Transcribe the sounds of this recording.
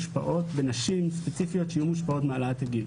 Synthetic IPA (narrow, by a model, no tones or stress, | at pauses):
ʃpa̰ʔo̞tbenaʃimspet͡sifijo̞tʃejumuʃpao̞tmaalat̪aɡil